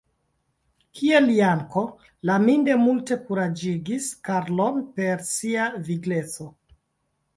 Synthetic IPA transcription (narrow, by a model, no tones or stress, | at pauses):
kʰieliaŋko̞ | laminde̞multe̞kuɾad͡ʒiɡiskaɾlo̞npe̞ɾsiaviɡlet͡so̞